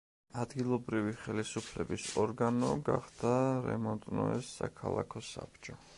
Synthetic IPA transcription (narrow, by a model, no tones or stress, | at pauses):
ad̪ɡilˠɔbɾiviχɛlisupʰlɛbisɔɾɡanɔɡaχd̪̥aɾɛ̰mɔnt̪ʼnɔɛsːakʰalˠakʰɔsa̰p̚t͡ʃʼɔ